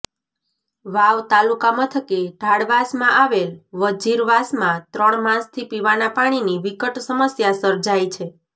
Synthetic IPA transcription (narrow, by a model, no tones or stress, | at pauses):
ʋaʋt̪alukamãt̪ʰəkeɖʱaɽʋasmãʔaʋelʋəd͡ʒiɾʋasmãt̪ɾəɳmãst̪ʰipiʋanapaɽ̃iniʋikəʈsəməsjasəɾd͡ʒajt͡ʃʰe